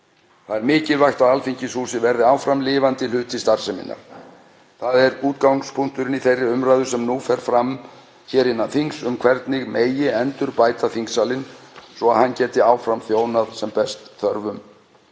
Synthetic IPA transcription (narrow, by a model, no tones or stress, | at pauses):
θaðɛɾmɪːcɪlvajxt̪aðalfiɲcɪsuːlsɪvɛɾðɪaːwfɾamlɪːvant̪ɪlʏːt̪ʰɪst̪aɾ̥sɛmɪ̰nːa̰ɾ̥ | θaðɛɾuːt̪kawŋspʰuŋ̥t̪ʏɾɪniθejrːɪʏmɾaːðʏ̥sɛmnuːfɛɾ̥fɾam | çɛːɾɪnːanθiŋsʏmkʰvɛɾt̪nɪɣmeːjɪɛnt̪ʏɾpaːjt̪aθiŋksaːlɪnsvɔaðhanːcɛːt̪ɪaːwfɾamθjoːwnaðsɛmpɛst̪θœɾvʏm